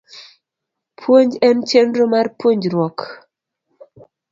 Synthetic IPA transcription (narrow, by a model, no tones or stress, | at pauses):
pʰwoɲd͡ʒɛnt͡ʃenɾomarpwoɲd͡ʒɾwɔk